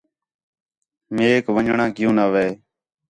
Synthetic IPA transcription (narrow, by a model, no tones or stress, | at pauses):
mẽːkʋəɲɳãːkɪjũːnaːʋeː